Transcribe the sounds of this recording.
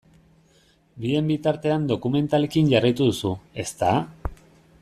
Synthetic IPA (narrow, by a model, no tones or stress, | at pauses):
bie̞mbit̪aɾt̪e̞and̪o̞kume̞nt̪ale̞kinʝarijt̪uðusue̞st̪a